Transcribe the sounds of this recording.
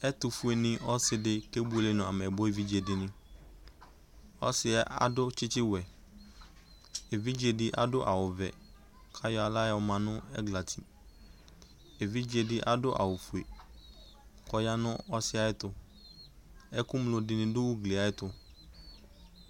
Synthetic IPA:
ɛ˦tʊ˨fu˨˦e˨nɪ̃˦ʔɔ˦sɪ˨dɪ˦ke˦bu˦e˨le˦nʊ̃˨a˨m˨ɛ˨bʊ˦e˨vi˦d͡ʒe˨dɪ˨nɪ̃˦ | ɔ̰˦sɪ˦a˦ʔa̰˨dʊ˦t͡ʃɪ˦t͡ʃɪ˦wɛ˨ | e˨vi˦d͡ʒe˨dɪ˦ʔa̰˨dʊ˦ʔa̰˨wʊ˨vɛ˨ | kʰa˦jɔ˨˦a˨la˦jɪ˦ɔ˦mã˨nʊ̃˦ɛ̰˦ɡla˨tʰi˨ | e˨vi˦d͡ʒe˨dɪ˦ʔa˦dʊ˦ʔa̰˨wʊ˨fu˨e˨ | kɔ˨ja˦nʊ̃˦ɔ˦sɪ˦a˨˦ɪ˦tʊ˨ | ɛ˦kʊ˦m˦lʊ˨dɪ˨nɪ̃˦dʊ˦wʊ˦ɡle˨a˨˦ɪ˦tʊ˨

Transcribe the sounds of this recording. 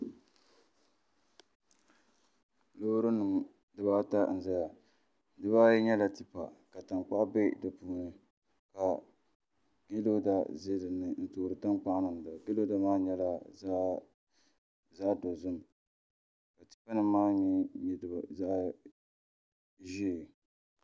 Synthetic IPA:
loː˦ɾɨ˦nɨ˨m˨ | dɨ˨baː˦ta˦n̩˨za˦ja˨ | dɨ˦βa˦jɛ˦ɲɛ˦la˨ti˨pa̰˨ka˨ta˨ŋ͡mk͡pa˦be˦dɨ˨puː˦nɨ˦ | ka˨ | ɡe˦lo˦da˦ze˦dɨ˨nɨ˨n̩˦toː˨ɾɨ˨ta˦ŋk͡pa˦ʔnɨ˨n˨da˨ɡe˦lo˦da˦maː˦ɲɛ˦la˦ | zaː˦do˨zʊ˦n˨ | ka˨ti˦pa˦nɨ˦maː˦ɲɛ˦˨ | za˦ | ʒi˦˨

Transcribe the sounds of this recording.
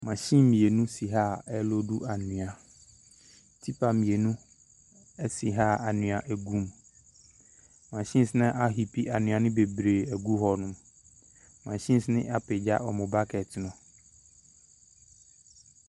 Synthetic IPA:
mã˨ɕĩ˦mmĩ˨e˨nũ˦si˨ɦa˦˨ɛ˦lo˦du˦ʔa˨nũ˨a˨ | tʰi˦pʰa˨mĩ˨e˨nũ˦ | ɛ˦si˨ɦa˦˨a˨nũ˨a˨ʔɛ˨ɡũ˦m | mã˨ɕĩ˦sɪ˦nɛ̃˦ʔa˦ɦi˨pʰi˦ʔa˨nʊ̃˨a˨nɪ̃˦be˨bɾe˨ɛ˨ɡu˦ɦɔ˨nʊ̃˦m | mã˨ɕĩ˦n˦snɪ̰̃˦ʔa˦˨pe˨d͡ʑa̰˦ʔɔ˨mʊ̃˨ba˦kʰɛ˨tʰɪ˨nɔ̃˨

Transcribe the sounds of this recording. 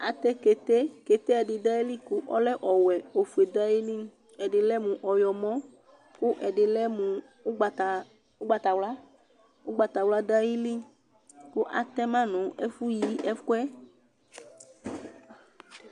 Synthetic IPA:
a˨t̪ɛ˦ke˨t̪e˦ke˨t̪e˦ɛ˨ɖɪ˨da˦ji˦li˦ku˦ʔɔ˦lɛ˦ʔɔ˨wɛ˨o˨fu˨e˨da˦ji˦li˦ | ɛ˨ɖɪ˨lɛ˦mũ˨ʔɔ˨jɔ˨mɔ̃˦ | ku˦ʔɛ˨dɪ˨lɛ˦mu˨˦ | ɡ͡ba˨t | u˦ɡ͡ba˨t̪a˨wla˦ | u˦ɡ͡ba˨t̪a˨wla˦da˦ji˦li˦ | kʊ˦ʔa̰˨t̪ɛ˦mã˦nũ˨˦ɛ˦fu˦ji˨˦ʔɛ˦fku˦ɛ˦

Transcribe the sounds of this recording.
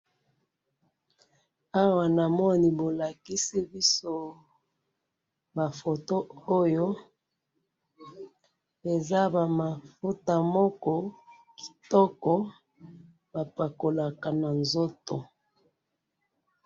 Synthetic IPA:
a˦wa˨na˨mɔ˦ni˨bo˨la˨ki˦si˦bi˦so˦ | ba˨fo˨to˦o˦jo˦ | e˨za˦ba˨ma˨fu˦ta˨mɔ˦kɔ˦ | ki̥˨tɔ˦kɔ˦ | ba˨pa˨ko˨la˨ka˨na˨nzo˦to˨

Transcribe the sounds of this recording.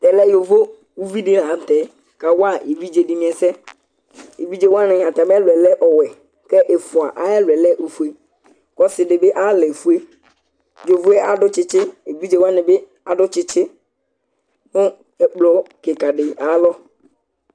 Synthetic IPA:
t̪ɛ˨lɛ˦jo˨vo˦ | u˦vi˦dɪ˦la˨˦˨t̪ɛ˨˦ | ka˨wa˦˨e˨vi˦d͡ʒe˨dɪ˨nɪ̃˨˦ɛ˨sɛ˦ | e˨vi˦d͡ʒe˦wa˦nɪ̃˨a˨t̪a˨bɛ˦lwɛ˨lɛ˦ʔɔ˨wɛ˨ | kɛ˦ʔe˨fʊ˨a̰˨ʔa˨˦ɛ˦lʊ˨ɛ˨lɛ˦ʔu˨fu˨e˦ | kɔ˦sɪ˨dɪ˨bɪ˦ʔa˦lɛ˨fu˦e˦ | jo˨vo˦ɛ˦ʔa˨˦dʊ˦t͡ʃɪ˦t͡ʃɪ˦e˨vi˦d͡ʒe˨wa˦nɪ˨bɪ˦ | a˨dʊ˦t͡ʃɪ˦t͡ʃɪ˦ | nʊ˦ | ɛ˨k͡plɔ˨˦kɪ˨ka˨dɪ˨a˨˦lɔ˦

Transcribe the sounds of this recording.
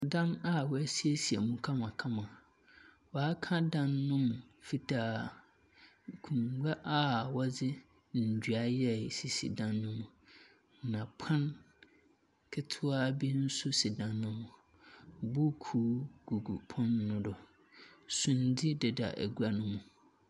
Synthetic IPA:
dã˦na˦wɔ˦æ˦si˦e˦si˨ɛ˨mũ˨kʰã˦mã˨kʰã˦mã˨ | wɔ˨a˦kʰã˦dã˦nːʊ̃˦mʊ̃˨fi˦tʰaː˦˨ | kʰũ˨ŋɡa˦ʔa˦wɔ˦d͡zɪ˦˨ | d͡ʑɥa˨˦jɛ˦˨si˨sḭ˨dã˦nːʊ̃˦mũ˨ | nã˨pʰã˦n | kʰɪ˦tʰʊ˦a˦bi˦n̩˦sʊ˦si˨dã˨nːʊ̃˦mʊ̃˨ | bu˦kʰuː˨˦ɡ̥u˨ɡu˨pʰɔ̃˦nːʊ̃˦dɔ˨ | sũ˨n˨dɪ˦dɛ˨da̰˨ʔæ̰˨ɡu˦a˨nʊ̃˦mũ˨

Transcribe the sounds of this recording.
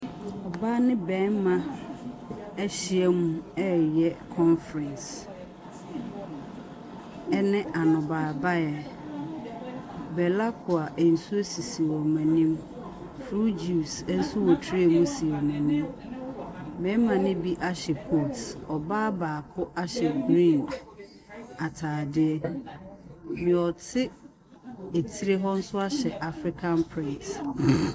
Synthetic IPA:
ɔ˨ba˦nɪ̃˦bɛ̃˦nmã˨ | ɛ˦ɕɪ˨ɛ˦mũ˦ɛ˦jɛ˦kʰɔ̃˦nfɾɛ̃˨ns | ɛ˦nɪ̃˦ʔa˨nʊ̃˨baː˨ba˦jɛ˨ | bɛ˨la˦kʰʊ˨a˨ʔɛ˨n̩˨su˦e˦si˨si˨wɔ˨mæ̃˨nĩ˦m | fɾu˦d͡ʒi˨u˨sɛ˦n̩˦sʊ˦wo˨tʰɾi˦e˨mũ˦si˨ɔ˨mɛ̃˨nĩ˦m | mɛ̃˨˦mã˨nɪ̃˦bi˦ʔa˦ɕɛ˨pʰo˦˨tɔ˨baː˦baː˨kʰʊ˦ʔa˦ɕɛ˨ɡɾĩ˦˨nd | a˨tʰaː˨dɪ˦ɛ˦ | mɪ̃˨ɔ˨tʰɪ˦ | e˨tʰi˦ɾe˦ɦɔ˦n̩˦sʊ˦a˦ɕɛ˨ʔa˨fɾɪ˦kʰã˦npʰɾɪ̃˦˨nt

